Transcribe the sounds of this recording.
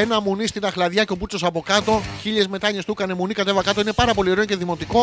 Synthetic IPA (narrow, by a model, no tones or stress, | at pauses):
enɐmunist̪inɐxlɐðʝɐco̞p̬ut͡so̞sɐpo̞kɐt̪o̞çiʎe̞zme̞t̪ɐɲe̞st̪ukɐne̞munikɐt̪e̞vɐkɐt̪o̞ine̞pɐɾɐpo̞lieɾoce̞ðimo̞t̪iko̞